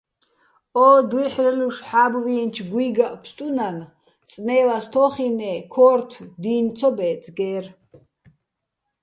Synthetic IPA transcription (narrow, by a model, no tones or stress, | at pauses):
ɔːd̪wiħrɛluʃħaːbvint͡ʃʰɡwiːɡaʔʼpʰst̪ʼunan | t͡sʼnɛːlast̪ʰɔχinɛkʰɔːɾt̪ʰwd̪iːnt͡sʰɔbɛt͡sʼɡɛːr